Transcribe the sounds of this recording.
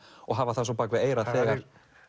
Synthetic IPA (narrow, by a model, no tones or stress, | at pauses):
ɔɣɦaːvaθasɔpaːkvɪðeːjɾaθɛːɣaɾ̥